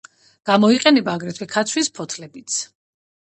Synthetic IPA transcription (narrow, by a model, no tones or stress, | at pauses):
ɡ̥amɔiqʼɛnɛbaːɡɾɛt̪ʰwikʰat̪sʰwispʰɔt̪ʰlɛbit̪sʰ